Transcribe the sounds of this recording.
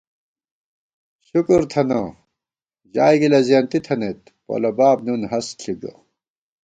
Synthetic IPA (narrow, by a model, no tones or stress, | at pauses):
ɕukuɾt̪ʰɐnɐ | d͡ʑaːjɡilɐzijɐnt̪it̪ʰɐnet̪̚ | pɐ̰lɐbaːbnunɦɐsɬʰiɡɐ̰